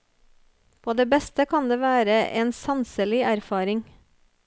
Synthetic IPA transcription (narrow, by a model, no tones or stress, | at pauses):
pʰoːd̪eːbɛst̪əkʰɑnd̪eːʋæːɾəʔeːnsɑnsəlɪʔæɾfɑːɾɪŋ